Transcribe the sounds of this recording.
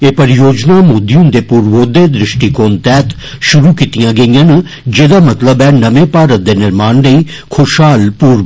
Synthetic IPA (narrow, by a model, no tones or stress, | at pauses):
eːpɐɾɪjoːd͡ʒnamoːd̪ijũnd̪eːpuːɾʋoːd̪eːd̪ɾɪʃʈikoːnt̪ɛːt̪ | ʃʊɾukit̪ijãːɡɐɪjan | d͡ʒeːd̪aːmɐt̪ləbɛːnɐmepaːɾət̪̚d̪eːnɪɾmaːnɖɐi | kʰoːʃaːlpuːɾ